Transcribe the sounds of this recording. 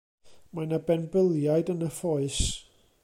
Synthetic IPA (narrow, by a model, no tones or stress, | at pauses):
majnabɛnbəlˠjajdənəfɔɨs